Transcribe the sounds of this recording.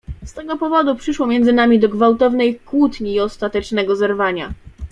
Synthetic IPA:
st̪ɛɡɔpɔvɔd̪upʂɘʂwɔmʲjɛnd̪ɘnamʲid̪ɔɡvawt̪ɔvnɛjkwut̪ɲiːɔst̪at̪ɛt͡ʂnɛɡɔzɛɾvaɲa̰

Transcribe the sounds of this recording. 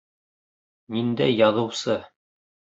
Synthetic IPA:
nind̪æjɑðɤ̆wsɤ

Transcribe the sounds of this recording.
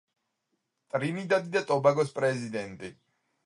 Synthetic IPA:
t̪ʼɾinid̪ad̪id̪at̪ʼɔbaɡɔspʼɾɛzid̪ɛnt̪ʼi

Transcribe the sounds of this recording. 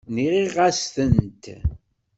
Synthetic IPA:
niʁiʁasθənt̪

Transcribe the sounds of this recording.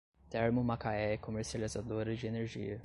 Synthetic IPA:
t̪ɛɾmʊmakaɛkõmeɾsializad̪oɾɐd͡ʒɪeneɾʒḭɐ

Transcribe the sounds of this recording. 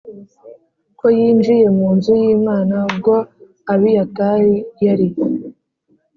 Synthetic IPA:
kojiːnd͡ʒije̞muːnzujiːmaːnab̚ɡo̞ | aβijataijaɾij

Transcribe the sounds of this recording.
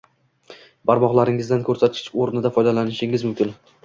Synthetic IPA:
b̥aɾmɒʁlˠaɾɪŋɪzd̪ankʰɵɾsat̪̚kʲʰɪ̥t͡ʃoɾnɪd̪afɒjd̪alanɪʃɪŋɪzmʊmkʲɪn

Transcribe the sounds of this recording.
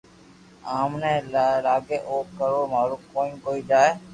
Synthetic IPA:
aːmnẽːlaːɡeːʔoːkːəɾoːmaːɾuːkoːĩːkoːiːd͡ʒaːeː

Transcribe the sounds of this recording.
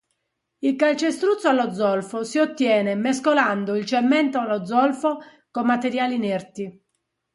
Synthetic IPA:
ilkalt͡ʃest̪ɾut̪sːoalːɔd̪zːɔlfosiot̪ːjɛːnɛmeskoland̪oilt͡ʃɛmːɛnt̪oalːɔd̪zɔlfo | komːat̪eɾjaːlinɛrt̪i

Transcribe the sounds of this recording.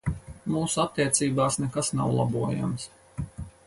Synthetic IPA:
muːsuat̪ːiɛt̪siːbaːsnɛkasnawlˠa̰buɔja̰ms

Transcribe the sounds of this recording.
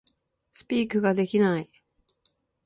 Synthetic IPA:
sɨ̥pʲiːkɯ̟ɡad̪e̞kʲinai

